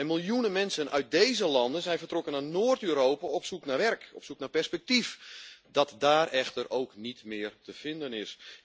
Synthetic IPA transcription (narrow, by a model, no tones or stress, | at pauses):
ɛnmilˠjunənmɛnsənʔœ̰ɥt̚dejzəlɑndənzɛjnvərtrɔkənanoːərtøːɾoːpaɔpsuknaːʋɛrkɔpsuknapɛrspɛk̚tifdɔtdaːrɛxtərʔowknitmɪːrtəv̥ɪndənɪs